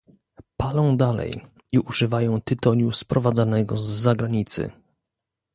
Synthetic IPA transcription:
palɔ̃w̃d̪alɛ̰j | iʔuʐɘvajɔ̃w̃t̪ɘt̪ɔɲuspɾɔvad̪zanɛɡɔzːaɡɾaɲit̪sɘ̰

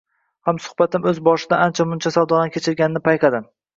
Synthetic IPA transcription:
hamsʊ̥hbat̪ʰɪmɵzbɒʃɪd̪aant͡ʃʰamʊnt͡ʃʰasawd̪ɒnakʲʰet͡ʃʰɪɾɡʲanɪnɪpʰajqʰɑd̪ɪm

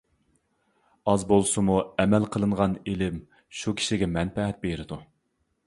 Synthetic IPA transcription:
ɑzbolˠsɨmuɛmɛlqʰəlˠɨɴʁɑnelɪm | ʃukʲʰi̥ʃiɡʲɛmɛnpɛɦɛt̪̚bejɾɪd̪u

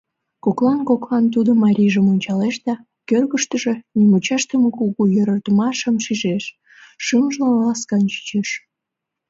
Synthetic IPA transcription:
koklɑnkoklɑnt̪ud̪omɑɾʲiʒəmonʲt͡ɕɑleʃd̪ɑ | kørɣəʃt̪əʒe̽nimut͡ɕɑʃt̪əməkuɣujøɾɑt̪əmɑʃəmʃiʒeʃː | ɨmʒləlɑskɑnt͡ɕi̥t͡ɕeʃ

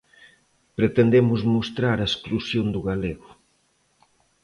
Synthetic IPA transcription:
pɾet̪end̪emʊzmost̪ɾaɾaesklusjond̪uɣaleɣʊ

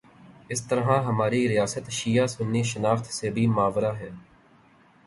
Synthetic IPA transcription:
ɪst̪əɾɦãːɦəmaːɾiɾɪjaːsət̪ʃiːaːsʊnːiːʃənaːft̪ʰseːbʱiːmaːʋɾaːɦɛː

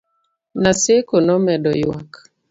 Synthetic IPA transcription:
nasekonɔmɛdɔjwak

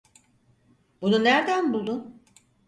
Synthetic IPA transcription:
bununæɾd̪ænbulˠd̪u

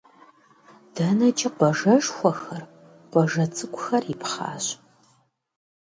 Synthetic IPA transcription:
d̥ɐnɐt͡ʃʼɪqʷɔʒɐʒxʷɔxxɐr | qʷɔʒɐt͡sʰʼɨkʷʼʊxɐrɪpχɑ̰ːɕ

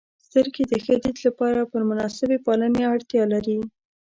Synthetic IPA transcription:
st̪əɾɡed̪əxəd̪id̪lapɑɾapəɾmʊnɑsɪbepɑləneaɽt̪jɑlaɾi

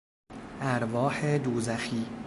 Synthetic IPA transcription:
ʔæɾvɒːhed̪uːzæxiː

